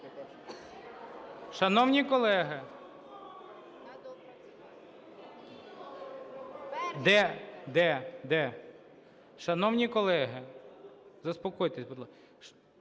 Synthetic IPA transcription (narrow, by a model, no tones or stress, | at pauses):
ʃɐnɔwnʲikɔlˠɛɦɪ | d̪ɛd̪ɛd̪ɛ | ʃɐnɔwnʲikɔlˠɛɦɪ | zɐspɔkɔjt̪esʲbɔd̪lˠ